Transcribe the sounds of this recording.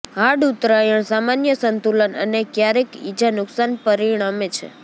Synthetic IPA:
ɦaɖut̪ɾajəɳ̃samanjəsənt̪ulənə̰nekjaɾekid͡ʒanʊksanpəɾiɽ̃amet͡ʃʰḛ

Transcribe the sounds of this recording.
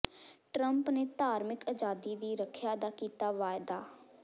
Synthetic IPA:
ʈɾəmpneːt̪aːɾmɪkəd͡ʒaːd̪iːd̪iːɾəkʰjaːd̪aːkiːt̪aːʋaːjd̪aː

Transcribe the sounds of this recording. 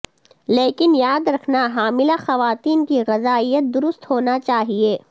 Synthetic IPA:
leːkɪnjaːd̪ɾɐkʰnaɦaːmɪlaxɐʋaːt̪iːnkiɣɐzaːijət̪̚d̪ʊɾʊst̪ɦoːnat͡ʃaːɦieː

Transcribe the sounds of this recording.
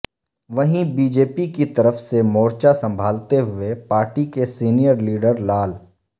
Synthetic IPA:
ʋɐɦĩbiːd͡ʒeːpikit̪ɐɾəfsemoːɾt͡ʃasɐ̃mbʱaːlt̪eɦʊepaːɾʈikesiːnijəɾliːɖəɾlaːl

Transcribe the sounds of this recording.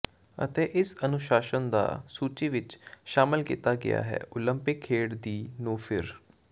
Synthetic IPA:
ə̰t̪eːʔɪsənʊʃaːʃənd̪a̰ːsuːt͡ʃiːʋɪt͡ʃʃaːmɪlkiːt̪aːɡɪ̰ja̰ːɦɛ̰ːʔʊləmpɪkʰːeːɽd̪iːnũːpʰɪɾ

